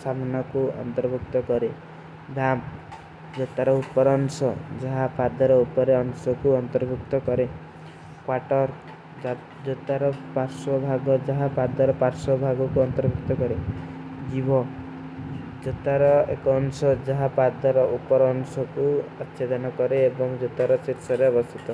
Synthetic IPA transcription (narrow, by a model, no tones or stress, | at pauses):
samɔnɔkuɔ̰nt̪ɔɾbʱukt̪ɔkɔɾe | d̪ʱam | d͡ʒɔt̪aɾɔupɔɾɔnsɔ̰d͡ʒaɦapad̪ɔɾɔupɔɾeɔŋsɔkuɔnt̪ɔɾbʱukt̪ɔkɔɾe | kwaʈɔɾ | d͡ʒɔt̪aɾɔpaɾsɔbʱaɡɔd͡ʒaɦapad̪ɔɾɔpaɾsɔbʱaɡɔkuɔnt̪ɔɾbʱukt̪ɔkɔɾed͡ʒibʱɔ | d͡ʒɔt̪aɾɔḛkɔːnsɔd͡ʒɔɦapad̪ɔɾɔʔupɔɾːnsɔkuat̪ːʃed̪ʱanɔkɔɾeːbɔŋd͡ʒɔt̪aɾɔsiɾsɔɾeɔbɔst̪ʰit̪ɔ